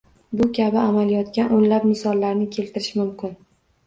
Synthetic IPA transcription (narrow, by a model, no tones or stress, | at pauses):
bʊkʲʰabɪamaljɒt̪kʲanʔonlapnɪsɒlːaɾnɪkʲʰe̞lt̪ʰɪɾɪʃmʊmkʲɪn